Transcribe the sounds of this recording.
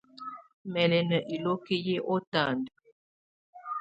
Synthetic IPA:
mɛ˨lɛ˨nə˨ʔi˨lo˦ki˦je˦ʔo˦ta˦˨nd

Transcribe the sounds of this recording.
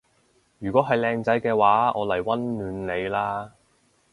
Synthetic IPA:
jyː˨˩kʷɔː˨˥ɦɐ˨jlɛː˧ŋt͡sɐ˨˥jkɛː˧waː˨˥ʔɔː˨˧lɐ˨˩jwɐ˥nːyː˨˧nle˨˧jlaː˥

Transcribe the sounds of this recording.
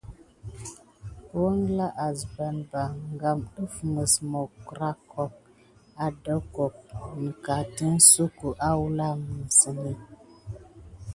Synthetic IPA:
wə˦ŋla˦ʔa˨zba˨nba˨ŋɡa˨mɗə˦fmə˨smɔ˨kɾa˦kʰɔ˨p̚ | a˨də˦kɔ˨k̚m̩˨ka˨ti˦n˦su˦ku˨ʔa˦wu˦la˦m˨ə˨sə˨ni˦

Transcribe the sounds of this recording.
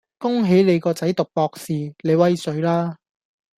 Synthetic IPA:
kʊ˥ŋɦe˨˥jle˨˧jkɔː˧t͡sɐ˨˥jt̪ʊ˨k̚pɔː˧k̚siː˨˩le˨˧jwɐ˥jsɵ˨˧˥ɥlaː˥

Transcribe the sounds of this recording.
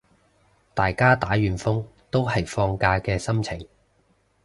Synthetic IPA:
t̪aː˨jkaː˥t̪aː˨˥jyː˨nfʊ˥ŋt̪o˥wɦɐ˨jfɔː˧ŋkaː˧kɛː˧sɐ˥mt͡sʰɪ˨˩ŋ

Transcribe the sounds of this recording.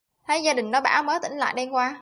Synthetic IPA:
t̪ʰa˨˦jzaː˧ɗï˨˩ŋ̟nɔ˨˦ɓa̰ː˧˥wməː˨˦t̪ï˧˩ŋ̟la̰ː˧˨jɗɛ˧nkwaː˧

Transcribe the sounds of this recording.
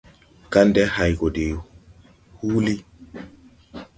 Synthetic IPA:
ka˦ndɛ˦ha˨jɡɔ˨de˨ | huː˦li˦

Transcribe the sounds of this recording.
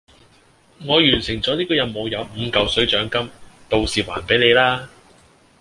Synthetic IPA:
ŋɔː˨˧jyː˨˩nsɪ˨˩ŋt͡sɔː˨˥liː˥kɔː˧jɐ˨˧nmo˨˧wjɐ˨˧wm̩ː˨˧kɐ˨wsɵ˨˥ɥt͡ʃœː˨˥ŋkɐ˥mt̪o˨wsiː˨˩wa̰ː˨˩npe˨˥jne˨˧jlaː˥

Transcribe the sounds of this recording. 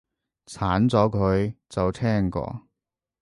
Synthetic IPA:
t͡sʰaː˨˥nt͡sɔː˨˥kʰɵ˨˧ɥt͡sɐ˨wt̪ʰɛː˥ŋkɔ̰ː˧

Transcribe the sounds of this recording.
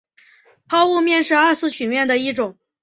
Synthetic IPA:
pʰɑ˥ʊu˥˧mjɛ˥˧nʂɻ̩˥˧a˞˥˧sʰɹ̩˥˧t͡ɕʰy˨˩mjɛ˥˩nd̪ə˩i˥˩ʈ͡ʂʊ˨˩˦ŋ

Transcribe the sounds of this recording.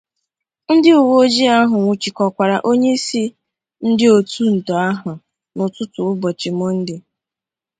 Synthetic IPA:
n̩˦dɪ˦u˨wo˦d͡ʒi˦a˦ɦʊ˨ŋʷu˨t͡ʃi˨kɔ˨kʷa˨ɾa˨ʔo˦ɲe˦si˦ | n̩˦dɪ˦o˨tʰu˦n̩˨tɔ˨a˦ɦʊ˨ | nʊ˨tʊ˦tʊ˨ʊ˦bɔ˨t͡ʃɪ˨mɔ˦n̩˦dɪ˦

